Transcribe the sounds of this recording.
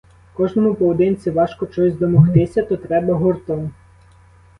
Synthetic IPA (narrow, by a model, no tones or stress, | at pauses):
kɔʒnɔmʊpɔwɔd̪ɪnʲt̪t͡s̪ʲɪʋɑʃkɔt͡ʃɔsʲzʲd̪ɔmɔxt̪ɪsʲɐt̪ɔt̪ɾɛbɐɦɔrt̪ɔm